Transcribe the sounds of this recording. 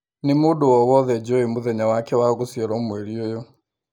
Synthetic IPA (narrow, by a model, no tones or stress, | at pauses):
nɪmodowɔwɔðɛd͡ʒɔemoðɛɲawakɛwaɣosjɛɾɔmwɛɾiojo